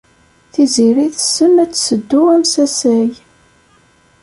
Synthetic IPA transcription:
θiziɾiθə̥sənæt͡sːsəd̪ːuæmsæsæj

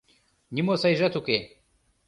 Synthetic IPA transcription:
nimosɐiʒɐt̪ʰuke

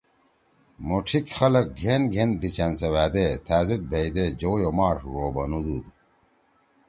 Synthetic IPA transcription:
moʈ͡ʂʰikxɐlɐk̚ɡʱenɡʱen̚bit͡ɕɐnsɐwæːd̪et̪ʰæːzid̪̚bʱejd̪ed͡ʑoːjomaːʂɾoːbɐnud̪ud̪

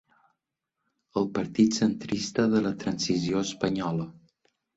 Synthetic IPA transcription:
əlˠpəɾt̪it̪sənt̪ɾist̪əðələt̪ɾənsizioəspəɲɔlə

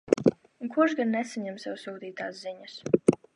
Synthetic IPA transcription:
uŋkuɔʃɡanːɛsaɲɛmsɛwsuːd̪iːt̪aːsziɲas

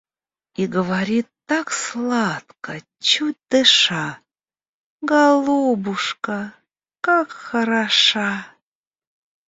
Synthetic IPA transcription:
iɡəvaɾʲit̪ːakslˠat̪kə | t͡ɕut̚ʲd̪̥ɨʂa | ɡalˠubuʂkə | kakxəɾaʂaɑ

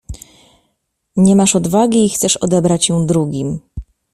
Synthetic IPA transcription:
ɲɛmaʂɔd̪vaɡʲiːxt̪sɛʂɔ̰d̪ɛbɾat͡ɕjɔ̃w̃d̪ɾuɡʲim

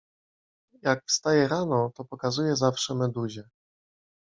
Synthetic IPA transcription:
jakfst̪ajɛɾanɔt̪ɔpɔkazujɛzafʂɛmɛd̪uʑɛ

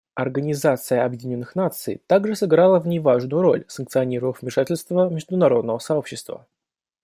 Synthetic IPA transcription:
ɐrɡənʲɪzat̪sɨjəʔɐbjɪdʲɪnʲo̞nːɨxnat̪sɨ̰jt̪aɡʐɨsɨɡɾalˠəvnʲɪvaʐnʊjʊɾo̞̰lʲsənkt̪sɨɐnʲiɾəvəfvmʲɪʂatʲɪlʲst̪vəmʲɪʐd̪ʊnɐɾo̞d̪nəvəsɐo̞pɕːɪst̪və̰

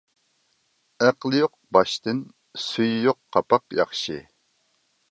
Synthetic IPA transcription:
æqlˠɨjoq̚bɑʃt̪ɨn | syjːoqʰːɑpɑqjɑ̰χʃɨ

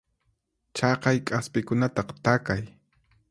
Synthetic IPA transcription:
t͡ʃɑqɑjkʼaspɪkʊnat̪ɑqt̪akaj

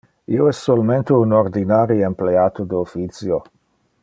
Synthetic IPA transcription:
ioɛsːolment̪eunoɾd̪inaɾiempleaːt̪od̪eofit̪sjo

